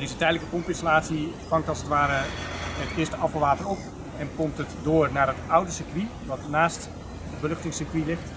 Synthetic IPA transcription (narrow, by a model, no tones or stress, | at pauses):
dezətɛjdələkəpɔmpɪnsolaːtsifɑŋktɑlˠsətʋaːɾəɦətɪːstəɑfəlˠʋaːtərɔp | ɛnkɔmtətdoːɹnaːrɦətʌwdəsəkʋi | ʋɑtnaːst | dəbəlɵχtɪŋsəkʋilɪχt